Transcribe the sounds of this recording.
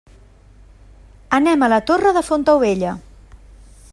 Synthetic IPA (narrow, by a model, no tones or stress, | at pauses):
ənɛmələt̪orəðəfont̪əwβeʎə